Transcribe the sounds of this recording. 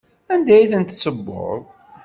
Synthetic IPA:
ænd̪æjθənt̪səbːo̰ðˤ

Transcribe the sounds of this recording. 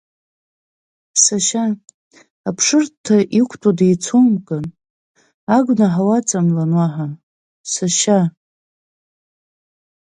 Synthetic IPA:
saʃaː | pʰʂɨrtʰːaʔikʷʰtʼadejt͡sʰomkʼɨn | aɡʷnaħawat͡sʼamlanwaħa | saʃa

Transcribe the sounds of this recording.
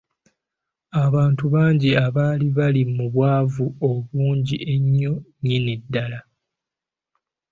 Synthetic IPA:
aβaːntuβaːɲɟiaβaːliβalimuβwaːvuoβuːɲɟiʔe̞ɲːo̞ɲinidːala

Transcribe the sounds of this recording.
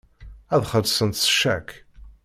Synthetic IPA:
æðχəɾsənt̪sə̥ʃːækʰ

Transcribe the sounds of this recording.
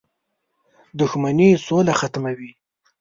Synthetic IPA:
d̪ʊxmanisolaxat̪mawi

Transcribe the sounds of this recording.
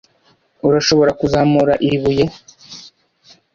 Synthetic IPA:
uɾaʃo̞βo̞ɾakuzamuɾaʔiβuje

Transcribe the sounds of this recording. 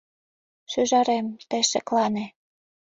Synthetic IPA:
ʃyʒɑɾemt̪ĕʃĕklɑnĕ

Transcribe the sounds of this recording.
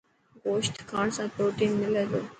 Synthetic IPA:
ɡoːʃʈkʰãːɳsapɾoːʈĩːnmɪleːd̪o

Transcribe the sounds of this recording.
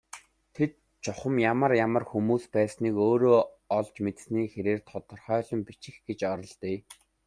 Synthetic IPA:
t̪ʰet̪̚ | t͡ɕɔχə̆mjamə̆rjamə̆rxumuːspæːsniːkoːɾoː | ɔɮt͡ɕmet̪̆sniːxeɾeːrt̪ʰɔt̪ɞ̆rχœːɮɞ̆mpit͡ɕɪ̆xɡ̥et͡ɕɔɾɞ̆ɮt̪iː

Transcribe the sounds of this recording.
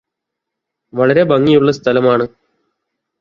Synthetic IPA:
ʋɐɭɐɾe̞bɐŋːijuɭːɐst̪ʰɐlɐmaːɳɨ

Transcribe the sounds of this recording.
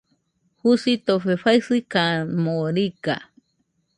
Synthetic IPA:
husit̪oɸeɸaisɨkamoɾika̰

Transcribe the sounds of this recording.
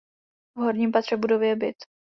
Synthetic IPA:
vɦoɾɲimpat̪r̝̥ɛbudovjɛbɪt̪

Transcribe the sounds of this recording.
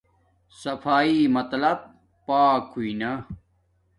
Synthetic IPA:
sɐfaːimɐt̪lɐb̚ | paːkhuinɐ

